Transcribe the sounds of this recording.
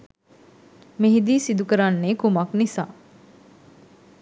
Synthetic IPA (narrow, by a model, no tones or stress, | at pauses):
meɦid̪iːsid̪ukəɾanːeːkumaknisa̰ː